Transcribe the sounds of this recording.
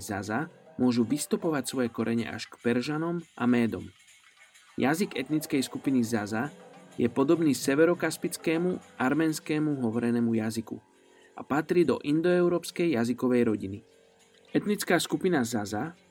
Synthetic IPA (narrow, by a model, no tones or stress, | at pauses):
za̰zamʊɔʒuʋist̪upɔʋacsʋɔjɛkɔɾɛɲɛ̰ʔa̰ʃkpɛɾʒanɔmʔa̰mɛːd̪ɔ̰m | jaziɡɛt̪nit͡skɛjskupinizazajɛpɔd̪ɔbniːsɛʋɛɾɔkaspit͡skɛːmuʔaɾmɛːnskɛːmuɦɔʋɔɾɛnɛːmujazikṵ | ʔa̰pat̪ɾiːd̪ɔ̰ʔind̪ɔɛʊɾɔːpskɛjːazikɔʋɛjɾɔɟini | ɛt̪nit͡skaːskupinazaza